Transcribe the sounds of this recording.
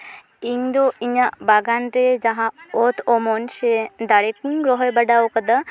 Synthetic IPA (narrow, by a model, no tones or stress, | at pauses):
iŋd̪oʔiɲaʔbaɡanɾed͡ʒaɦãot̪ʰɔmɔnʃed̪aɽekuŋɡɾɔɦɔjbɐɖaokəd̪ə